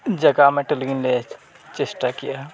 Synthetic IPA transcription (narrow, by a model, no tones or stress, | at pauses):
d͡ʒəɡameʈəlɡinle | t͡ʃesʈakija